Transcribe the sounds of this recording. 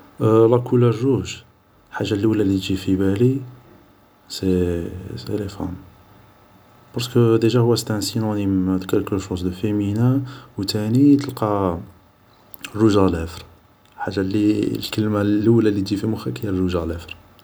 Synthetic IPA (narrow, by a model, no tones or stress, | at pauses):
lˤɑkulærːuʒ | ħaʒːalːuwlælːit̪ʒifibæli | seselefæ̰n | bɑɾskəd̪æʒæhʊwːæst̪ænsinonimd̪kəlkəʃuzd̪əfeminawt̪ænit̪əlqɑ | ruʒælæfɾ | ħaʒːalilkəlmalːəwlælːit̪ʒifimʊxækəjærːuʒælæfɾ